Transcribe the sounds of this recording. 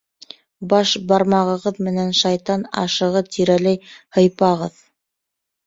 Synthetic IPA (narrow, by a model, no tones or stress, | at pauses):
bɑʃbɑɾmɑʁɤ̆ʁɤðmɘ̆nænʃɑjt̪ɑnɑ̰ʃɤ̆ʁɤt̪iɾælæjhɤ̆jpɑʁɤð